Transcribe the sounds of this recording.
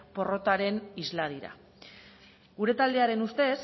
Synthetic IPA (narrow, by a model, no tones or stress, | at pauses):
po̞ro̞t̪aɾe̞nizlað̞iɾa̰ | ɡuɾe̞t̪ald̪e̞aɾe̞nust̪e̞s